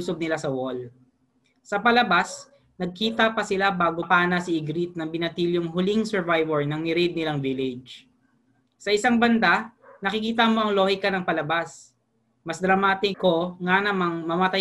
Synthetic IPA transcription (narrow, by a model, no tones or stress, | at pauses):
sob̚nɪlasɐwol | sɐpɐlɐbas | nɐɡ̚kiːt̪ɐpɐsɪlabaːɡopaːnasɪɪɡɾit̪̚nɐŋbɪnɐt̪iljoŋɦʊliŋsɛɹvajvɛɹnɐŋmɪɾɛd̪̚nɪlaŋvɪlɪd͡ʒ | sɐʔɪsaŋbɐnd̪anɐkɪkiːt̪̬ɐmo̞ʔɐŋloːhɪkɐnɐŋpɐlɐbas | mɐsd̪ɾɐmaːt̪ɪko̞ŋanɐmaŋmɐmɐt̪ɐ